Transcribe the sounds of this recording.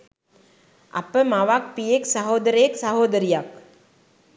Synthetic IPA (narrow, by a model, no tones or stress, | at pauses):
ɐ̰pəmaʋak̚pijeksaɦoːd̪əɾəjeksaɦoːd̪əɾijak